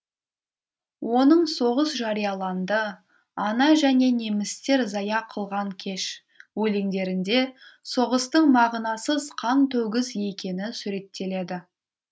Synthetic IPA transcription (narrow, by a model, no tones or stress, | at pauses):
wʔo̞nəɴso̞ʁəsʒɑɾijɑlˠɑnd̪ə | ɑnɑʒæne̞ne̞mɪst̪e̞ɾzɑjɑqʰəlˠʁɑŋkʲʰe̞ʃ | wɵleŋd̪e̞ɾɪnd̪e̞so̞ʁəst̪əɴmɑʁnɑsəzqʰɑnt̪ʰɵɡʲɪzje̞kʲe̞nɪnsʊɾe̞t̪ʰːe̞le̞d̪ɪ